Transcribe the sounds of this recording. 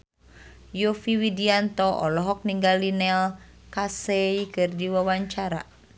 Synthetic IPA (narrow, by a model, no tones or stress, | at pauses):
jofiwidiant̪ɔʔɔlɔɦɔk̚niŋɡalinɛl | kaseikɨrdiwawaɲt͡ʃaɾa̰